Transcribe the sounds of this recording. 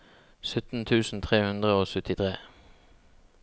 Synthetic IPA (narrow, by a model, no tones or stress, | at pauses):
sœt̪n̩t̪ʰʉːsn̩t̪ʰʁeːhʉnd̪ʁəoːsœt̪ɪt̪ʰʁeː